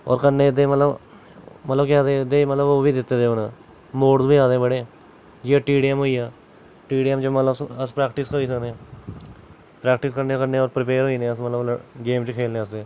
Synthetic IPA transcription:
ɔ̰ːɾkəɾneːɪd̪eːmət̪ləb | mət̪ləbkaːd̪eːd̪eːmət̪ləboːʋiːd̪ɪt̪ːeːd̪eːʊnː | moːɖzbiːaːd̪eːbəɽeː | d͡ʒieːʈiːɖiəmɦoːiːaː | ʈiːɖiəmt͡ʃəmət̪ləsəspɾɛːkʈɪskəiːsəɡnẽː | pɾɛːkʈɪskəɾneːkəɾneːɔːɾpɾɪpeːɾɦoːiːnẽːəsmət̪ləbəɡeːmt͡ʃəkʰeːlneːəsd̪eː

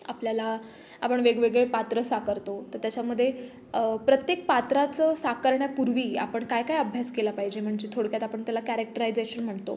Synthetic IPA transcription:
apljala | apəɳʋeɡʋeɡɭepat̪ɾəsakəɾt̪ot̪əɾt̪jat͡ɕaməd̪ʱːje | pɾət̪jek̚pat̪ɾat͡səsakəɾɳjapuɾʋiːa̰pəɳkajkajəbʱjaskelapaɦid͡ʑem̤əɳd͡ʑet̪ʰoɽkjat̪apəɳt̪jalakæɾek̚ʈəɾajd͡zeɕənm̤əɳt̪o̰

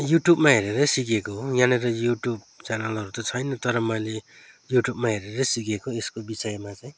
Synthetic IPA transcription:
juʈjubmaɦeɾeɾʌsikekoɦjaneɾʌjuʈjub̚ | t͡sanalɦʌɾut̪ʌt͡sʰʌjnʌt̪ʌɾʌmʌjle | juʈjubmaɦeɾeɾʌsikekoeskobisʌjmat͡sʌj̃

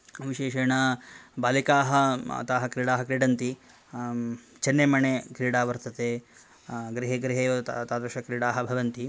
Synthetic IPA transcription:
ɐʋiʃeːʃɐːɳɐbaːlikaːɦɐɐ̰t̪aːɦɐkɾiːɽaːɦɐkɾiːɖɐnt̪i | t͡ʃɐnːeːmɐɳekɾiːɽaːʋɐɾt̪ɐt̪eː | ɡɾiɦeɡɾiɦeːʋɐt̪aːt̪oʃɐkɾiːɽaːɦɐbʱɐʋɐnt̪i

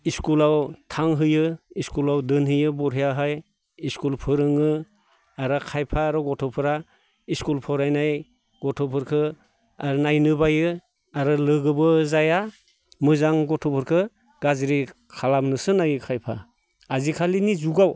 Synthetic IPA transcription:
iskulawtʰaŋɦɯjɯiskulawdɯnhɯjɯbɔɾɦɯjaɦɯj | iskulpʰɯɾɯŋɯ | aɾɯkʰajpʰaːɾɔɡɔtʰɔpʰɯɾa | iskulpʰɔɾajnaj | ɡ̥ɔtʰɔpʰɯɾkʰɯ | aɾnajnɯbajɯ | aɾɯlɯɡɯbɯzaja | mɯzaŋɡɔtʰɔpʰɯɾkʰɯ | ɡ̥azɾi | kʰalamnɯsɯnajɯkʰajpʰa̰ | azikʰalinizuɡaw

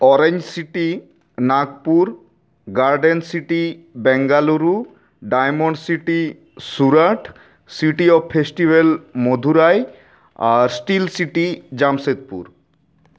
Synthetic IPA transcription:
ɔɾeɲd͡ʑsiʈi | nakpuɾ | ɡaɾɖensiʈibɛŋɡaluɾu | ɖajmoɳɖsiʈi | suɾaʈʰ | siʈiɔbpʰesʈibelmod̪ʱuɾaj | aɾsʈilsiʈid͡ʑamset̪̚pṵɾ

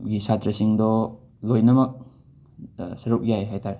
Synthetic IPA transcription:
ɡisat̪ɾɐsiŋdɔ | lojnɐmɐk̚ | sɐɾuk̚jajɦajtʰaɾ

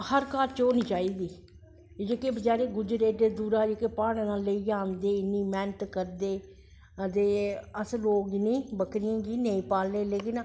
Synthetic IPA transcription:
həɾkaːɾt͡ʃoːniːt͡ʃaːiːd̪iː | d͡ʒeːkeːbəd͡ʒaːɾeːɡʊd͡ʒɾeːd̪eːd̪uːɾaːd͡ʒekeːpaːɽ̃nãːləiːd͡ʒãːnd̪eːɪnːiːmɛːnət̪kəɾd̪eː | d̪eːəsɾoːɡnĩːbəkɾɪjãːɡiːnəĩːpaːlːeːleːkɪn

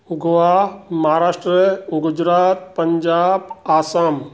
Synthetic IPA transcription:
ʊɡʋamɐɦaɾaːʃʈɾəɡʊd͡ʒɾaːt̪̚pɐɲd͡ʒaːbaːsaːm

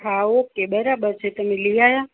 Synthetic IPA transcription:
aokebəɾabəɾt͡ʃʰet̪əmelijaja

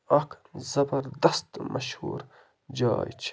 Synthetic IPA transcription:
ɐkʰzɐbɐɾd̪ɐst̪mʔɐʃhṵːɾ | d͡ʒa̰ːjt͡ʃʰ

